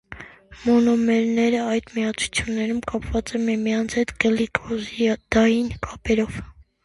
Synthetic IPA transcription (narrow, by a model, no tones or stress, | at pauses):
mɔnɔmɛɾnɛɾəɑjd̪miɑt͡sʰu̥t͡sʰjunːɛɾumkɑpvɑt͡sɛmimijɑnt͡sʰɛt̪ɡəlikʰɔzd̪̥ɑjinkʰɑpɛɾɔv